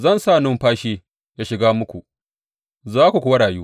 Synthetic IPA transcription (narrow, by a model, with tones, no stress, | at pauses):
zɐ˦nsaː˦˨nʊ˦mɸaː˦ʃiː˦ | jaː˦ʃɪ˨ɡaː˦mʊ˦kʷu˨ʔ | zaː˦kʷu˨kʷʊ˨wɐ˦ɽaː˨juː˦